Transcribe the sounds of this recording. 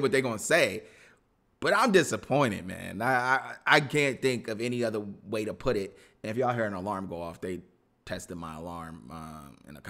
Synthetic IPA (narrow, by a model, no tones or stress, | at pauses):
wʌt̪̚ðeɪɡõʊə̃nseɪ | b̥ʌɾãɪ̃mdɪsəpʰɔ̃ɪ̃ɾ̃ɪ̰d̚mæ̰̃naɪaɪaɪkʰæ̃nθɪ̃ŋkʌvɛniʌðə˞weɪɾəpʰʊɾɪt̚ | ɨ̃nɨfjɨəɦɪɹɨ̃nəlɑɹmɡoʊɔfðeɪ | tʰɛstɨd̚maɪə̰lɑɹmʌ̃mɪ̰̃nə̰kʰ